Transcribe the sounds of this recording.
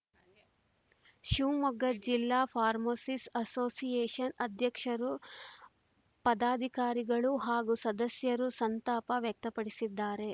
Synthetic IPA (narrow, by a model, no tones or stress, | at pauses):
ʃuːmɐɡɐd͡ʒilːaːpʰaːɾmoːsisɐsoːsijeːʂɐnɐd̪ʱjɐkʂɐɾu | pɐd̪aːd̪ʱikaːɾiɡɐɭuɦaːɡusɐd̪ɐsjɐɾusɐnt̪aːpɐʋjɐk̚t̪ɐpɐɽisid̪ːaːɾe̞